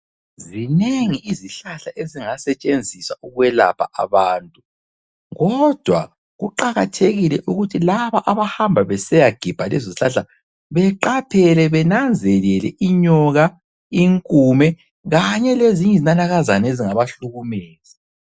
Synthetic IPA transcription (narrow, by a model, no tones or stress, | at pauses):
zineŋiʔiziɬaɬaʔeziŋasɛt͡ʃʼend͡zʱiswauɣwɛla̰pʰa̰ʔa̰βaːntʼu | ɣɔd̥ʱwa | ɣuǃaɣatʰeɣilɛʔuɣutʰilaβaʔaβahambʱaβɛsɛjaɡ̥ʱib̥ʱalɛ̰zoziɬaɬa | βɛǃapʰɛlɛβɛnand͡zʱɛlɛlɛ̰ʔiɲɔɣa | iŋkʼumɛ | ɣaɲɛleziɲɛzinanaɣazaneziŋaβaɬuɣumeːzi